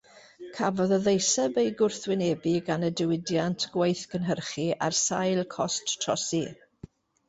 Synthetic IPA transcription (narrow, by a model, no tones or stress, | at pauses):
kʰavɔðəðejsɛbejɡʊrθwɪnɛbiɡanədɪwɪdjantʰɡ̥wejθɡ̥ʰənɦərχiʔarsajlˠkʰɔsttʰrɔ̰si